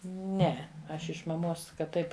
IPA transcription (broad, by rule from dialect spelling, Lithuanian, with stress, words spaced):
ˈnʲɛ ˈɐʃ ɪʃ mɐˈmoːs kɐt ˈtɐɪp